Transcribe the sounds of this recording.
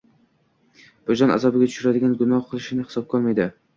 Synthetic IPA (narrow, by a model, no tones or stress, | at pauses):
b̥ʊd͡ʒɒna̰zɒbɪɡʲat̪ʰʊ̥ʃʊɾad̪ɪɡʲanɡʊnɒhqʰɨlˠɪʃɪnɪhɪ̥sɒp̚kʰɒlˠmajd̪ɪ